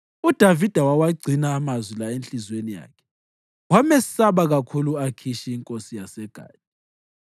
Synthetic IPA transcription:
ud̥ʱavid̥ʱawawaɡ͡ǀʱinaːmazwilaent͡ɬʼizwenija̰ːkʰɛ̥ | wamɛsaβaɣakʰuluakʰiʃiːŋkʼosijasɛɡ̥ʱa̰ːtʼi

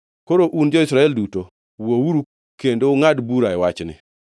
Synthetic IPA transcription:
koɾoʔund͡ʒɔisɾaɛlduto | wowuɾu | kendoŋadbuɾaɛwat͡ʃnɪ̰

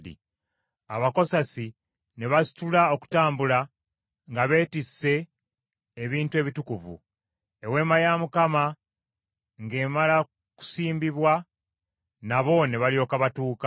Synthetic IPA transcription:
ḭ | aβako̞sasi | ne̞βasi̥tulao̞ku̥taːmbula | ŋɡaβe̞ːtisːe̞ː | βiːntue̞ːβitukuvṵ | e̞we̞ːmajamukama | ŋɡe̞ːmala | ku̥siːmbiβwa | naβo̞ne̞βalijo̞ːkaβatuːka

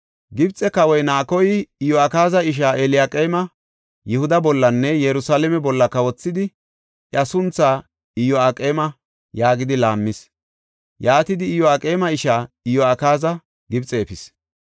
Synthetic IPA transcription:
ɡɪbt͡sʼɛkɐwɔjnaːkɔjɪɪjɔakaːzɐɪʃ̬aːʔelɪjaːkʼeːmɐ | jɪhʊd̪ɐbɔlːɐnːɛjɛɾʊsaːlɛmɛbɔlːɐkɐwɔt͡sːɪd̪ɪ | ɐsʊnt͡sːaː | ɪjɔakʼeːmɐ | jaːɡɪd̪ɪlaːmːɪs | jaːt̪ɪd̪ɪːjɔaːkʼe̞ːmɐɪʃaː | ɪjɔakaːzɐ | ɡɪbt͡sʼeːpɪs

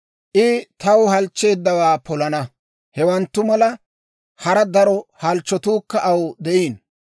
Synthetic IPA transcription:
ʔɪt̪ɐwhɐlt͡ʃːe̞ːd̪ːɐwaːpɔlɐnɐ | hɛwɐnt̪ːʊmɐlɐ | hɐɾɐd̪ɐɾɔhɐlt͡ʃːɔt̪uːkːɐʔɐwd̪ɛʔiːn

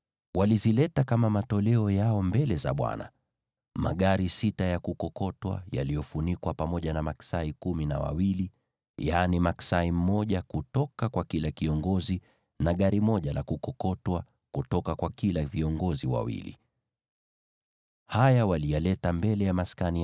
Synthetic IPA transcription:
walizilɛtakamamatɔlɛɔjaɔmbɛlɛza̰ɓwa̰na̰ | ma̰ɠaɾisitajakukɔkɔtwa̰ja̰lijɔfunikwapamɔʄanamaksaikumina̰wa̰wili | janimaksaim̩mːɔʄakutɔkakwakilakiɔŋɡɔzi | naɠaɾimɔʄalakukɔkɔtwa | kutɔkakwakilaviɔŋɡɔziwa̰wḭlḭ | hajawalijalɛtambɛlɛjamaskani

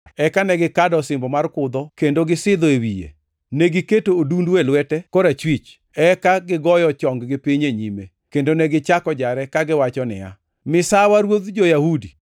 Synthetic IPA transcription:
ɛkanɛɡɪkadɔsɪmbɔmarkʊd̪ɔkendoɡɪsɪd̪ɔewijḛ | neɡɪketoːdundwelwɛtɛkɔɾat͡ʃwit͡ʃ | ɛkaɡɪɡɔjɔt͡ʃɔŋɡɡɪpiɲeɲime | kendonɛɡɪt͡ʃakɔd͡ʒaɾɛkaɡɪwat͡ʃɔnɪ̰ja̰ | mɪsawaɾwod̪d͡ʒojahudi

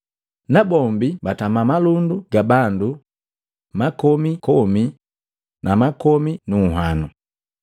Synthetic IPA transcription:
nabɔmbibatamamalunduɡabandu | makɔmikɔmi | nʔamakɔminuːɦanu

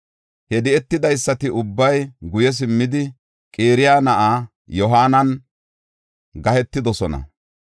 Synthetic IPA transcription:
hɛd̪ɪɛt̪ːɪd̪ɐjsːɐt̪ɪʊbːɐjɡʊjɛs̬ɪmːɪd̪ɪ | kʼeːɾɪjaːnɐʔaː | jɔɦaːnɐn | ɡɐhɛt̪ːɪd̪ɔsɔnɐ̰

